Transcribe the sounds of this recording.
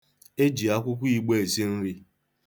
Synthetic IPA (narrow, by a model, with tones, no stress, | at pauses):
e˦d͡ʒi˨a˦kʷʊ˦kʷi˦ɡ͡be˦e˨si˦n̩˦ɾi˦